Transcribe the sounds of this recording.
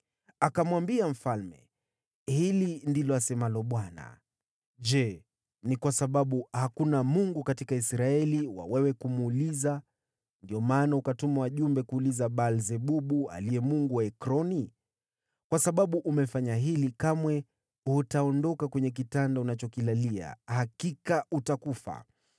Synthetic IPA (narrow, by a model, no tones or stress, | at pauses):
akamwambiam̩falmɛ̰ | hilindilɔasɛmalɔɓwana̰ | ʄɛ | nikwasaɓaɓuhakunamuŋɡukatikaisɾaɛliwa̰wɛwɛkumuːliza | ndiɔmaːnaukatumawaʄumbɛkuːlizaɓalzɛɓuɓua̰liɛmuŋɡuwaɛkɾɔni | kwasaɓaɓuʔumɛfaɲaɦilikamwɛ | utaɔndɔkakwɛɲɛk̬itandaunat͡ʃɔkilalia̰hakikaʔutakufa̰